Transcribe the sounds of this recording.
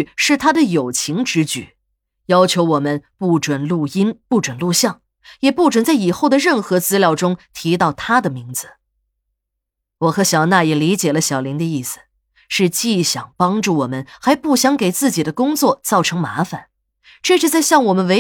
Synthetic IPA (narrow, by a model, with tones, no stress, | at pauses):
ʂɻ̩˥˩t̪ʰa˥d̪ə˨jo˨˩ʊt͡ɕʰi˧˥ŋʈ͡ʂɻ̩˧˥t͡ɕy̰˨˩˦ | jɑ˥ʊt͡ɕʰjo˧˥ʊwɔ˨˩mə˦npu˥˩ʈ͡ʂwə˨˩nlu˥˩i˥npu˥˩ʈ͡ʂwə˨˩nlu˥˧ɕjɑ˥˩ŋ | jɛ˨˩pu˥˩ʈ͡ʂwə˨˩nt͡sa˥˩ɪi˨˩xo˥˩ʊd̪ə˩ɻə˥˩nxɤ˧˥t͡sɹ̩˥ljɑ˥˩ʊʈ͡ʂʊ˥ŋt̪ʰi˧˥t̪ɑ˥˩ʊt̪ʰa˥d̪ə˨mi˧˥ŋd͡zɹ̩˧ | wɔ˨˩xɤ˧˥ɕjɑ˨˩ʊna˥˩jɛ˨˩li˧˥t͡ɕjɛ˨˩lə˦ɕjɑ˨˩ʊli˧˥ŋd̪ə˧i˥˩sɹ̩̥˩ | ʂɻ̩˥˧t͡ɕi˥˩ɕjɑ˨˩ŋpɑ˥ŋʈ͡ʂu˥˩wɔ˨˩mə˦nxa˧˥ɪpu˥˩ɕjɑ˧˥ŋke˨˩ɪt͡sɹ̩˥˩t͡ɕi˨˩d̪ə˦kʊ˥ŋt͡swɔ˥˩t͡sɑ˥˩ʊʈ͡ʂʰɤ˧˥ŋma˧˥fa˨˩˦n | ʈ͡ʂɤ˥˧ʂɻ̩˥˧t͡sa˥˧ɪɕjɑ˥˩ŋwɔ˨˩mə˦nwe˧˥